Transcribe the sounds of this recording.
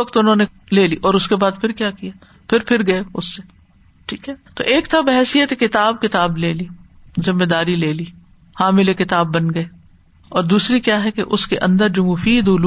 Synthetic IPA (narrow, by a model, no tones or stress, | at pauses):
ɐkt̪ʊnɦõːne | leːliːʔɔːɾʊskebaːd̪pʰɪɾkjaːkijaː | pʰɪɾpʰɪɾɡɐeʊsːe | ʈʰiːkɦɛt̪o̰ːʔeːkt̪ʰabɛɦɛsijət̪ekɪt̪aːbkɪt̪aːbleːliːzɪmːed̪aːɾileːliː | hãːmɪlekɪt̪aːbːɐnɡɐeː | ɔːɾd̪uːsɾikjaːɦɛkḛʔʊskeʔɐ̰̃nd̪əɾd͡ʒoːmʊfiːd̪ʊl